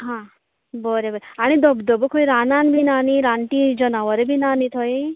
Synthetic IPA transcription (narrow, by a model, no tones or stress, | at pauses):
ɦã | bəɾebəɾeaɽ̃id̪ɔbd̪ɔbukʰojɾananbʱinaniɾaɳʈid͡ʒənaʋəɾebʱinanit̪ʰoj